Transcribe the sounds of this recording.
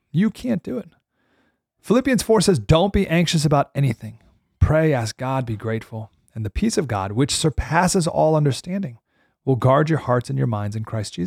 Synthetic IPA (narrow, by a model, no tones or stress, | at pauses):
jɨkʰæ̃nd̥ɨɪt̚ | fəlɪpiɨ̃nz̥fɔɹsɛzdõʊ̃nb̥iʔæ̃ŋkʃɨsɨbaʊɾɛñiθɪ̃ŋ | pʰɹ̥eɪæsk̚ɡ̥ɑd̚biɡɹeɪtfl̩ˠ | ɨ̃nðɨpʰisʌvɡɑ̰d̚wɨt͡ʃsə˞pʰæsɨzɔ̰lˠʌ̃ndə˞stæ̃ndɪ̃ŋ | wɪlˠɡɑɹd͡ʒə˞hɑɹtsɨ̃n̩jə̰˞mãɪ̃ndzɨ̃nkʰɹ̥aɪsd̥ʒ̥iz